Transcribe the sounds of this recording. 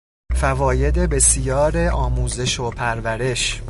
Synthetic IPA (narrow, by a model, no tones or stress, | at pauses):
fævɒːje̞d̪e̞be̞sjɒːɾeʔɒːmuːze̞ʃopʰæɾvæɾe̞ʃ